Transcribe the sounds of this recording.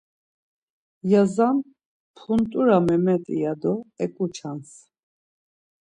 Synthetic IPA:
jazam | pʰunt̪ʼuɾamɛmɛt̪ʼḭjad̪ɔɛkʼut͡ʃʰans

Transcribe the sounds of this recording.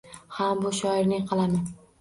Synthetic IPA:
hambʊʃɒɪɾnɪŋqʰɑlˠamɪn

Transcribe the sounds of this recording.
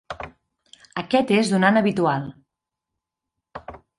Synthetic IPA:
əkɛt̪ezðunanəβit̪ualˠ

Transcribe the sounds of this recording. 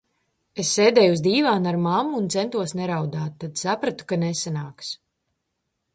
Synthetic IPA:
esːeːd̪ɛːjuzd̪iːvaːnaɾmamuːnt̪sɛnt̪uɔsnɛɾawd̪aːt̪ːad̪̥sapɾat̪u̥kanesanaːks

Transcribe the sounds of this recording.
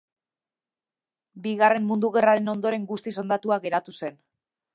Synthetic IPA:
biɣare̞mmund̪uɣe̞raɾe̞no̞nd̪o̞ɾe̞ŋɡust̪iso̞nd̪at̪uaɣe̞ɾat̪use̞n

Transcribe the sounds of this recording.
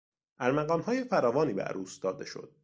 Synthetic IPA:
ʔæzmæɣɒːmhɒːjefæɾɒːvɒːniːbḛʔæ̰ɾṵːsd̪ɒːd̪e̞̰ʃo̰d̪̥̚

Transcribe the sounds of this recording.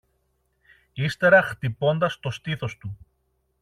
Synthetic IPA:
ist̪e̞ɾɐxt̪ipo̞nd̪ɐst̪o̞st̪iθo̞st̪u

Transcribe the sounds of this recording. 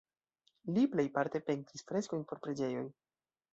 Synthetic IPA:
liple̞jpaɾt̪e̞pe̞ŋkisfɾe̞sko̞jnpo̞ɾpɾe̞d͡ʒe̞jo̞j

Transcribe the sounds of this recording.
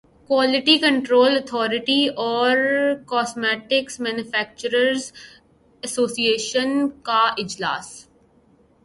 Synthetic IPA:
kwɔːlɪʈikɐ̃ɳʈɾoːlɐt̪ʰɔːɾɪʈiɔːɾkɔːsmɛːʈɪksmɛ̃ːnjʊfɛːk̚t͡ʃəɾəɾz | ɐsoːsieːʃənkaʔɪd͡ʒla̰ːs

